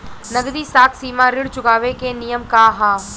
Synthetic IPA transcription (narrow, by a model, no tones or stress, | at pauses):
nɐɡd̪iːsaːkʰsiːmãɾɪɽt͡ʃʊɡaːʋekenijəmkaɦaː